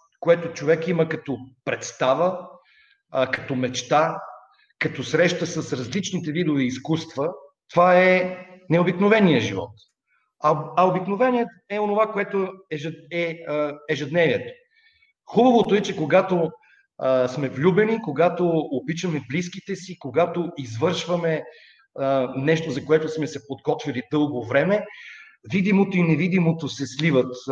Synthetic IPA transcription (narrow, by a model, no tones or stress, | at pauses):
koɛt̪ot͡ʃovɛkiməkɐt̪ɔpɾɛt̪st̪avə | kɐt̪ɔmɛt͡ʃt̪a | kɐt̪ɔsɾɛʃt̪əsɐsɾɐzlit͡ʃnit̪ɛvid̪ovɛːskust̪vət̪ovaɛnɛobiknovɛnijəʒivɔ̰t̪ | ɐɐobiknovɛniɛt̪ | ɛonovakoɛt̪oɛʒɛɛɛʒɛd̪nɛviɛt̪o̥ | xubɐvot̪oɛt͡ʃɛkoɡat̪o | smɛvlʲubɛnikoɡat̪oːbit͡ʃɐmɛbliskit̪ɛsikoɡat̪oizvɤɾʃvɐmɛ | nɛʃt̪ozɐkoɛt̪ʊsmɛsɛpod̪ɡɔt̪vilid̪ɤlˠɡovɾɛmɛ | vid̪imot̪oinɛvid̪imot̪osɛslivət̪